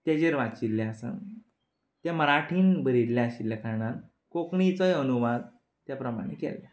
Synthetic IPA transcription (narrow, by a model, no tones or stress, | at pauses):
t̪jad͡ʑeɾʋat͡ɕilːaasã̰n | t̪jaməɾaʈʰiːnbəɾid̪laaɕilːakʰaɳaɾ | kokɳit͡səjənuʋad̪̚ | t̪japɾəma̰ɽ̃ḛkɛ̰lja